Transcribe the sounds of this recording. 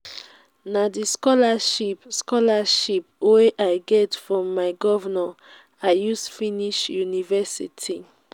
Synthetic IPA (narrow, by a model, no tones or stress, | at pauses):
nadiskɔlaʃipskɔlaʃipweʔaɪɡɛtfɹɔ̃mːaɪɡɔvana | aɪjusfiniʃjunivɛsḭtʰi